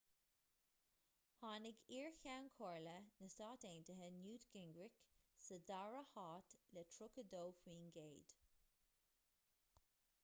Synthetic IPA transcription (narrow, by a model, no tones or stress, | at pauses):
hɑːnɪɡiːɹçawnkʰɔɹlənəsɑːteːntəɦənjuːtɡɪŋɡɹɪksəd̪aɹəhɑːt̪lɛtʰɹʊkədoːfwiːnɡeːd̪̥